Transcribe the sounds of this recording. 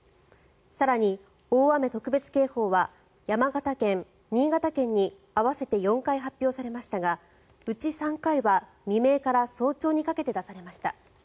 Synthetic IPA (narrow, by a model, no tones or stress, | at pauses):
saɾaɲ̟i | oːame̞t̪o̞kɯ̟be̞t͡sɨ̥ke̞ːho̞ːβa | jamaɡat̪akẽ̞ŋ | ɲiːɡat̪akẽ̞ɲ̟ːi | aβase̞t̪e̞jõ̞ŋkaiɦapʲjo̞ːsaɾe̞maɕi̥t̪aɡa | ɯ̟t͡ɕisãŋkaiβa | mʲime̞ːkaɾaso̞ːt͡ɕo̞ːɲ̟ikake̞t̪e̞d̪asaɾe̞maɕi̥t̪a